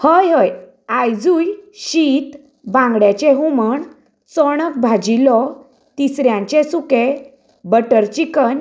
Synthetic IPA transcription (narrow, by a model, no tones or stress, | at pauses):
həjɦəj | ajd͡zujɕit̪ | bãŋɡɽjat͡ɕeɦuməɳ | t͡sɔɽ̃ək̚bʱad͡ʑilɔ | t̪isɾjãɲt͡ɕesuke | bəʈəɾt͡ɕikən